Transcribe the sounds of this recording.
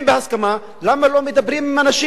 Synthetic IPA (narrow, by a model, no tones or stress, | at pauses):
mbehaskama | lamːalomed̪abɾimimanaʃi